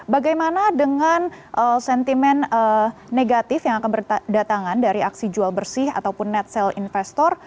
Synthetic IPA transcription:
baɡajmanadəŋan | ʔəsɛnt̪imɛnəːeɡat̪ɪfjaŋakanbərdat̪aŋandaɾiaksid͡ʒualbərsɪha̰t̪awpʊnːɛt̪̚sɛlinfɛst̪ɔr

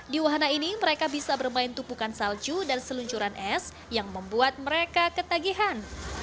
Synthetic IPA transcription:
diwaɦanainiməɾekabisabərmaɪnt̪upukansald͡ʒudansəluɲt͡ʃuɾanʔɛs | jaŋməmbuat̪̚məɾekakət̪aɡiɦan

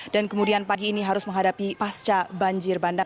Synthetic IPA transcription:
dankəmudianpaɡiːniɦaɾʊsməŋɦadapipast͡ʃabaɲd͡ʒɪrbanda

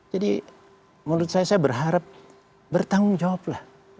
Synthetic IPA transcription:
d͡ʒadi | muɾʊt̪̚sajasajabərɦaɾap̚ | bərt̪aŋʊŋd͡ʒawap̚lah

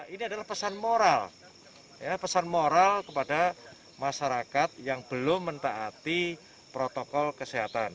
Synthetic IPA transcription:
iniadalahpəsanmoɾal | japəsanmoɾalkəpada | maʃaɾakat̪̚jaŋb̥əlʊmːənt̪aʔat̪i | pɾot̪okɔlkəseɦat̪an

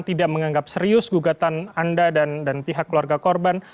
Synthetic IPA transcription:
t̪idaʔməŋaŋɡap̚səɾiʊsɡuɡat̪anandadandanpiɦakːluarɡakɔrban

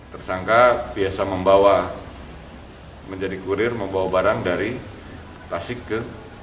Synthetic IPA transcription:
t̪ərsaŋkabiasaməmbawa | məɲd͡ʒadikuɾɪrməmbawabaɾaŋdaɾi | t̪asɪkːə

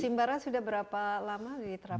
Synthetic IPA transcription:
simbaɾansudahbəɾapalamadit̪əɾa

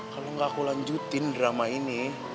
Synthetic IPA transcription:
kaloŋɡakulaɲd͡ʒut̪ɪndɾamaini

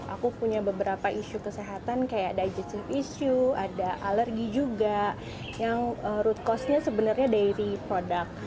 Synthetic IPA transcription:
a̰kupuɲabəbəɾapaʔiʃukəseɦat̪ankajadajd͡ʒɛst̪ɪfisuadaʔalərɡid͡ʒuɡa | jaŋəɾut̪̚kɔsɲasəbənarɲadaiɾipɾodak̚

